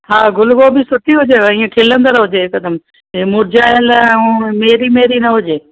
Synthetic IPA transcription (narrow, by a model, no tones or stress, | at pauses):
ɦaːɡʊlɡobɪsʊʈ̪iɦʊd͡ʑeĩːẽkʰeːlə̃nd̪əɾɦʊd͡ʑekɐd̪əm | emʊɾd͡ʑaːjəlɛ̃ʊ̃meːɾimeːɾinɐɦʊd͡ʑeː